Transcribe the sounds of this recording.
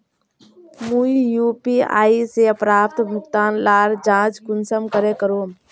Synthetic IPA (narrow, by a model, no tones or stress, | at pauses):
muijupia̰ːiseəpɾaːpt̪bʱukt̪aːnlaːɾd͡ʒãːt͡ʃkunsəmkəɾekəɾom